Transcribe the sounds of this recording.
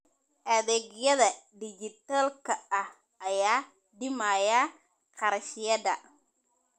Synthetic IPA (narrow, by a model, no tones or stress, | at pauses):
ʔɐðɛːɣjɐðɐɖɪd͡ʒɪt̪alkʰɐɐh | ɐjaː | ɖɪmajɐ | qɑɾʃɪjɐdɐ